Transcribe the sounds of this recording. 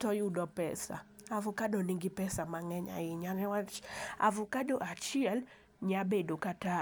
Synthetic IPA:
tɔjʊdɔpɛ̰sa̰avʊkadɔniŋɡɪpɛsamaŋɛɲa̰ɪɲanɛwaa̰vʊkadoʔat͡ʃɪɛl | ɲabedokata

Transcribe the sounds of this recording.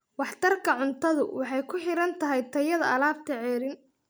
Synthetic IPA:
wɑħt̪ʰɐrkʰɐʕʊnt̪ʰɐðʊ̰wɑħɑjkʰʊħɪɾɐnt̪ʰɐɦɛjt̪ʰɐjɐðɐ̰ʔɐlaːbt̪ʰɐʕɛːɾɪn

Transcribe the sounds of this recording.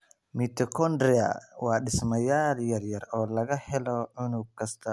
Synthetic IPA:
mit̪ʰɔkʰɔnd̪ɾɛɐ̰wɑːɗɪsmɐjaːljɐrjɐrɔːlɐɣɐhɛlɔʕʊnʊɡ̚kʰɐst̪ʰɐ

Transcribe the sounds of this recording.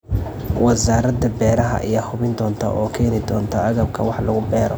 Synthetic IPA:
wɐzaːɾɐd̪ɐbɛːɾɐɦɐ̰ʔijɐhʊβɪnd̪ɔːnt̪ʰɐ̰ʔɔːkʰɛːnɪd̪ɔːnt̪ʰɐʔɐɣɐb̚kʰɐwɑħlɐɣʊbɛːɾɔ̰

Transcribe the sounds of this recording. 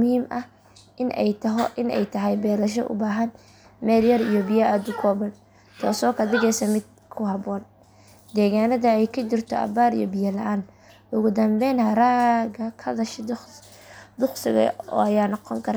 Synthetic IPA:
mʊhiːmʔɐh | ʔɪnʔɛ̰jt̪ʔɪnɛ̰jt̪ʰɐɦɛjbɛːlɐʃ̬ɔ̰ʔʊ̰baːɦɐn | mɛːljɐɾijɔbɪjɐad̪ʊkʰɔːbɐn | t̪ʰɔːsɔːkʰɐd̪ɪɣɛsɐmɪd̪̚ | kʰʊɦɐbɔːn | d̪ɛːɣaːnɐðɐɛjkʰɐt͡ʃɪrt̪ʰɔ̰ʔɐ̰baːɾḭjɔ̰bɪjɐlɐʔaːn | ʊɣʊd̪ɐmbɛjnhɐɾaːɣɐkʰɐd̪ɐʃ | d̪ʊqsɪ̰ɣɐ̰ɔ̰ːɐjaːnɔqɔŋkʰɐɾa

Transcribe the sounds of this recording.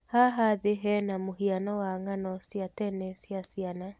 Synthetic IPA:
haɦaðeɦɛnamoɦianɔwaŋanɔsjatɛnɛsjasiana

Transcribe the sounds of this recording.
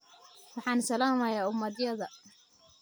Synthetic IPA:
wɑħɑːnsɐlaːmɐjaːʔʊmːɐd̪jɐðɐ

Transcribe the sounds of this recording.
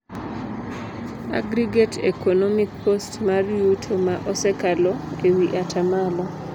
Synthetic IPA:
a̰ɡɾiɡetʰḛkʰonɔmik̚postmarjutʰomaʔɔsɛkalɔewiʔatʰamalɔ

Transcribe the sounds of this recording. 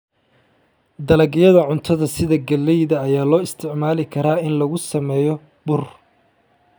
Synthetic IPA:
d̪ɐlɐɡjɐðɐʕʊnt̪ʰɐðɐsɪðɐɡɐlːɛjðɐːjaːlɔːɪst̪ʰɪʕmaːlɪkʰɐɾaːɪnlɐɣʊsɐmɛːjɔ | bʊr

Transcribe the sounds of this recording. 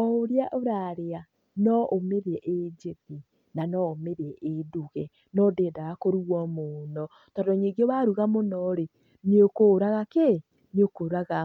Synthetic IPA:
ɔoɾjaʔoɾaɾea | nɔʔomeɾeɛʔed͡ʒeti | nanɔomeɾɛʔeduɣɛ | nɔdeːdaɣakoɾuɣwɔmonɔ | tɔdɔɲeɡeβaɾuɣamonɔɾe | neokoɾaɣake | niokoɾaɣa

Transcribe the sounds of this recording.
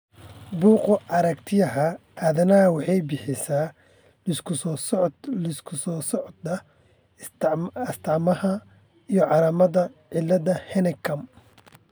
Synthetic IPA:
buːqʊʔɐɾɐkt̪ʰɪjɐɦɐaːðɐnɐwɑħɑjbɪħɪsaː | ɪskʰʊs | ɪskʰʊsɔːsɔʕd̪ɐ | ɐst̪ʰɑʕmɐhɐ | ijɞʕɑɾɐmɐðɐʕɪlːɐðɐhɛnɛkʰɐm

